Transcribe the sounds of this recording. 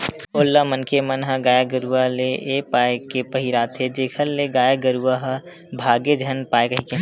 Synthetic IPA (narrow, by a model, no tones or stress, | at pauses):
oːlːəmənkʰemənɦəɡaːjaɡəɾualeʔepaːekepəɦiɾaːt̪ʰed͡ʒeːkʰəɾleɡaːjaɡəɾuaɦə | bʱaːɡed͡ʒʱənpaːekəɦike